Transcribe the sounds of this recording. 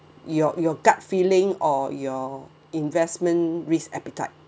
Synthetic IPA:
jɔjɔɡat̚filɪ̃ŋɔjɔ | ĩnvɛsmə̃nɹisɛpitaɪt̚

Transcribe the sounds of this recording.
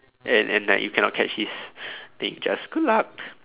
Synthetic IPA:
ʔɛ̃nʔɛ̰̃na̰jukʰɛ̃nɔt̚kʰɛt͡ʃhist̪ɪ̃ŋd͡ʒasɡ̥udlak̚

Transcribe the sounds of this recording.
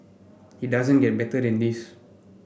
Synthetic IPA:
hidazə̃nɡɛt̚bɛtədɛ̃nd̪is

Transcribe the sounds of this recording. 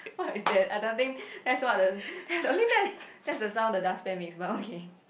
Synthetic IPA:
wɔtisdɛt̚aɪdõʊ̃nt̪ɪ̃ŋkdɛtswɔt̚dəd̥ɛtsõnlidɛtd̥ɛtsdəsãʊ̃ndədaspɛ̃nmeksbatokʰe

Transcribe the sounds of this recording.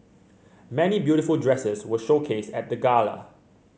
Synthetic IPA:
mɛnibjuɾɪfəldɹɛsəswəʃokʰesɛt̚d̪əɡalə̰

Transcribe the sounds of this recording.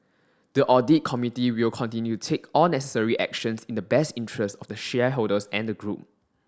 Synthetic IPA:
d̥əʔɔdit̚kʰɔmitiwilkʰɔ̃ntĩnjutʰekʰɔlnɛsəsəɹiʔɛ̰k̚ʃə̃nsĩndəbɛstĩntʰɹəstɔfdəʃɛɦoldəsɛ̃ndəɡɹup̚

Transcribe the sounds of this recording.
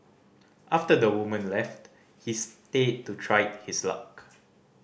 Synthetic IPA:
ʔaftədəwumə̃nlɛft | histed̚tːutʰɹajt̚hisla̰k

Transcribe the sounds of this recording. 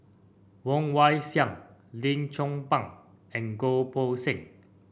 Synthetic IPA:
wɔŋwajsjaŋlint͡sʰʊŋpaŋ | ɛŋkopʰosɪŋ

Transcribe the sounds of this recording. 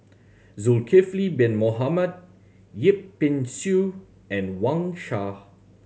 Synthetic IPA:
zulkʰeflibɛ̃nmoɦaməd̚ | jip̚ːĩnsu | ɛ̃nwãŋʃa

